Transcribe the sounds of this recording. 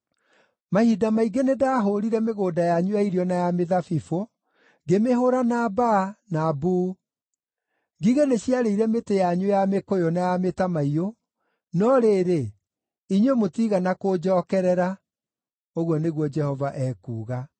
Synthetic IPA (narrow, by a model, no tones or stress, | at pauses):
mahidamaiɡenedaːɦoɾiɾɛmeɣoːdajaɲwaiɾiɔnajameðafifo | ɡemeɦoɾanabanabuː | ɡiɣeneɕjaɾeiɾɛmetejaɲwojamekojɔnajametamaio | nɔɾeːɾe | iɲwemotiɣanakod͡ʒɔːkɛɾɛɾa | oɣwɔneɣwɔd͡ʒɛhɔvaʔɛkṵːɣa